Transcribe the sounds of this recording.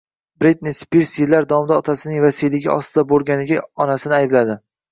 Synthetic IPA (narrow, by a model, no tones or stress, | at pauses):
bɾit̪̚nispiɾsilːaɾd̪ɒmɪd̪aɒt̪ʰasɪnɪŋvasilɪɡʲɪ̰ɒ̰st̪ɪd̪abolˠɡʲanɪɡʲaɒnasɪnɪajɪblad̪ɪ